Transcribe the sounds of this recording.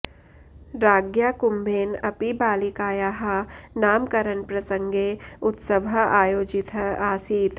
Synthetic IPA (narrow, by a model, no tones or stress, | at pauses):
ɾaːɡjaːkʊmbʱeːnɐpibaːlikaːjaːɦanaːmkɐɾənpɾɐsə̃ŋɡeʊt̪səʋɐaːjoːd͡ʒɪt̪ʰaːsiːt̪